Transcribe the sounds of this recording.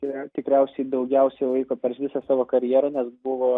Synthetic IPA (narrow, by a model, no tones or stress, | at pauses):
ɪɾɐt̪ʲɪkɾʲɛʊsʲɛɪd̪ɐʊɡʲɛʊsʲɛɪʋˠɐɪkoːpʲɛɾʃʋʲɪsɑsɑːʋoːkɐɾʲjɛːɾonʲɛsbʊʋoː